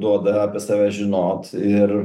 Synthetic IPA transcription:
d̪uɔd̪ɐɑːpʲɛsɑːʋʲæːʒʲɪnoːt̪ɪɾ

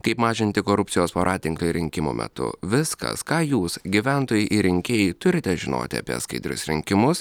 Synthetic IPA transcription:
kɐɪpmɑːʒʲɪnʲt̪ʲɪkoːɾʊpʲtsʲɪjoːspɐɾʔɑːt̪ʲɪŋklʲˠoɾʲɪŋʲkʲɪmo̰ːmʲɛ̰t̪ʊ̰ʋʲɪskɐ̰skɑːjuːsɡʲiʋʲæˑnt̪oːjɛʔɪɾʲɪŋʲkʲeːjɪt̪ʊɾʲɪt̪ʲɛʒʲɪno̰ːt̪ʲɪɐ̰pʲḭɛ̰skɐɪd̪ʲɾʲʊ̰sɾʲɪŋʲkʲɪmʊs

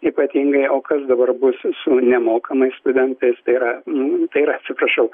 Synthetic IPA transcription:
iːpɐt̪ʲiŋɡɐɪoːkɐsd̪ɐbɐrbʊssʊnʲɛmoːkɐmɐɪsst̪ʊd̪ʲɛnt̪ɐɪst̪ɐɪiɾɐnt̪ɐɪiɾɐɐt̪ʲsʲɪpɾɐʃɐʊ

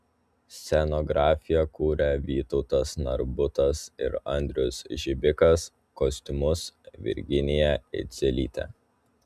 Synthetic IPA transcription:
sʲɛnɔɡɾɑːfʲɪjɛkuːɾʲɛʋʲiːt̪ɔʊt̪ɐsnɐɾbʊt̪ɐsɪ̰ɾɐnʲd̪ʲɾʲʊsʒʲɪbʲɪkɐs | kɔsʲt̪ʲʊmʊsʋʲɪ̰ɾʲɡʲɪnʲɪjɛɪ̰t̪sʲɛlʲḭːt̪ʲɛ̰

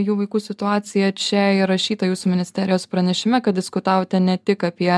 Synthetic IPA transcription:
juːʋɐɪkuːsʲɪt̪ʊɑːt̪sʲɪjɛt͡ʃʲɛɪɾɐʃʲiːt̪ɐjuːsumʲɪnʲɪsʲt̪ʲɛːɾʲɪjoːspɾɐnʲɛʃʲɪmʲɛkɐt̪̚d̪ʲɪskʊt̪ɑːʋoːt̪ʲɛnʲɛt̪ʲɪkɐpʲiɛ

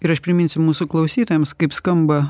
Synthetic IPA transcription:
ɪɾɐʃpʲɾʲɪmʲɪnʲsʲʊmuːsʊklˠɐʊsʲiːt̪ojɛmskɐɪpskɐmbɐ

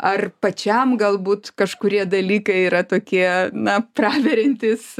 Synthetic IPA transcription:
ɐrpɐt͡ʃʲɛmɡɐlˠbuːt̪kɐʃkʊɾʲiɛd̪ɐlʲiːkɐɪiːɾɐt̪oːkʲiɛnɐprɑːʋʲɛɾʲɛnʲt̪ʲɪs

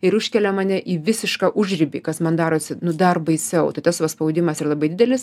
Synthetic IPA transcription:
ɪɾʊʃʲkʲɛlʲɛmɐnʲɛʔiːʋʲɪsʲɪʃkɑːʔʊʒʲrʲɪbʲḭːkɐsmɐnd̪ɑːɾoːsʲɪnʊd̪ɐrbɐɪsʲɛʊt̪ɐɪt̪ɐsʋɐspɐʊd̪ʲɪmɐsɪrɐlˠɐbɐɪdʲɪd̪ʲɛlʲɪs

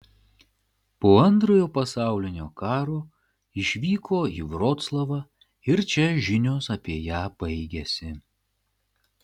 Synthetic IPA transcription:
poːɐnˑt̪ɾoːjoːpɐsɑˑʊlʲɪnʲoːkɑːɾoː | ɪʃʲʋʲiːkʰoːḭːʋɾoːt̪slˠɐʋɑː | ɪɾt͡ʃʲɛʒʲɪnʲoːsɐpʲiɛjæːb̥ɐɪɡʲɛsʲɪ

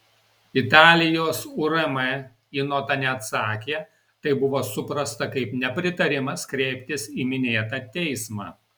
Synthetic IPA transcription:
ɪt̪ɑːlʲɪjoːsʊɾɐmɛ | inoːt̪ɐnʲɛɐt̪sɑːkʲeː | t̪ɐɪbʊʋoːsʊpɾɐst̪ɐkɐɪpnʲɛpʲɾʲɪt̪ɐɾʲɪmɐskɾʲɛɪpʲt̪ʲɪsiːmʲɪnʲeːt̪ɐːt̪ʲɛɪsmɑ̰ː

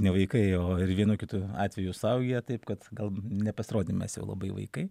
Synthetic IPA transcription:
nʲɛʋɐɪkɐɪoːɪɾʋʲiɛnukʲɪt̪uɑːt̪ʲʋʲɛjusɐʊɡʲɛjɛt̪ɐɪpkɐt̪ɡɐlˠnʲɛpɐsʲɪɾoːd̪ʲnmʲɛ̰sjɛ̰ʊlˠɐ̰bɐɪʋɐ̰ɪkɐɪ

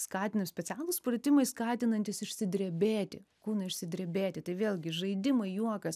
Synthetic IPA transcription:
skɑːt̪ʲɪnɐmsʲpʲɛtt͡s̪ʲæːlˠʊspɾɐt̪ʲɪmɐɪskɑːt̪ʲɪnɐnʲt̪ʲɪsɪʃʲsʲɪd̪ʲɾʲɛbʲeːt̪ʲɪ̰kuːnɐɪʃʲsʲɪd̪ʲɾʲɛbʲeːt̪ʲɪt̪ɐɪʋʲeːlˠʲɡʲɪʒɐɪd̪ʲɪmɐɪjuɔkɐs

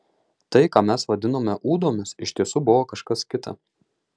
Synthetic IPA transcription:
t̪ɐɪkaːmʲɛsʋɐd̪ʲɪnoːmʲɛʔuːd̪oːmʲɪsɪʃʲt̪ʲiɛsuːbʊʋoːkɐʃkɐskʲɪt̪ɐ̰

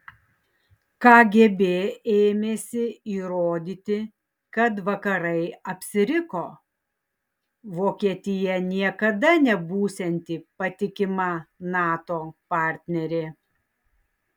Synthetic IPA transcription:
kɑːɡʲebʲeːeːmʲeːsʲɪiːɾoːd̪ʲiːt̪ʲɪ | kɐt̪ʋɐkɐɾɐɪɐpʲsʲɪɾʲɪkoː | ʋoːkʲiɛt̪ʲɪjɛnʲiɛkɐd̪ɐnʲɛbuːsʲɛnʲt̪ʲiːpɐt̪ʲɪkʲɪmɐnɑːt̪oːpɑˑɾʲt̪ʲnʲɛɾʲeː

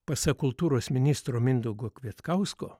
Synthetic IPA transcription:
pɐsɐkʊlˠt̪uːɾoːsmʲɪnʲɪst̪ɾoːmʲɪnd̪oɡoːkʲʋʲiɛt̪kɑʊskoː

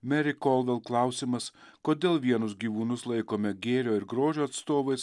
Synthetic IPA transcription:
mʲɛɾʲɪkɔlˠʋʲɛlˠklˠɑˑʊsʲiːmɐs | koːd̪ʲeːlˠʋʲiɛnʊsɡʲiːʋuːnʊslˠɐɪkoːmʲɛɡʲeːɾʲoːɪɾɡɾoːʒʲoːɐt̪st̪oːʋɐɪs

